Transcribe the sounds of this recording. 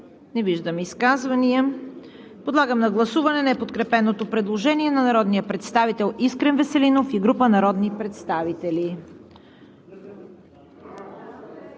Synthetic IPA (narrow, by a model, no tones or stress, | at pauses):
nɛviʒd̪əmiskazvɐniə | pod̪lˠaɡəmnɐɡlˠɐsuvɐnɛnɛpot̪kɾɛpɛnot̪opɾɛd̪lˠoʒɛniɛnɐnɐɾɔd̪nijəpɾɛt̪st̪avit̪ɛlˠiskɾɛnvɛsɛlinofiɡɾupənɐɾɔd̪nipɾɛt̪st̪avit̪ɛli